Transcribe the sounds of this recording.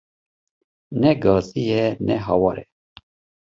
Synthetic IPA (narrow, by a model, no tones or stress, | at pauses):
nɛɡɑːzijɛnɛɦɑwɑɾɛ̰